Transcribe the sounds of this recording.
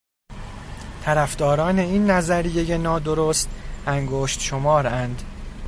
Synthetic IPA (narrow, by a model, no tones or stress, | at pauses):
t̪ʰæɾæfd̪̥ɒːɾɒːne̞iːnːæzæɾijeje̞nɒːd̪o̞ɾoːst̪æŋɡoːʃt̪ʃomɒːɾænd̪